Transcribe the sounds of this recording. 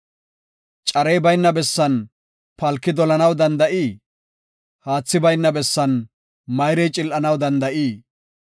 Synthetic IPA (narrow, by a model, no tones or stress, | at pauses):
t͡ʃʼɐɾejbɐjnːɐbɛsːɐn | pɐlkːɪd̪ɔlɐnɐwd̪ɐnd̪ɐʔiː | haːt͡sːɪbɐjnːɐbɛsːɐn | mɐjɾɛjt͡ʃʼɪlʔɐnɐwd̪ɐnd̪ɐʔiː